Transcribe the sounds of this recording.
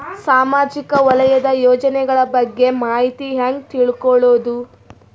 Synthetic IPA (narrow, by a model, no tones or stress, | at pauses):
saːmaːd͡ʒikɐʋɔlɐjɐd̪ɐjɔːd͡ʒɐnɛɡɐɭɐbɐɡːe̞maːɦit̪iɦaːŋɡ̚t̪iɭkɔɭoːd̪u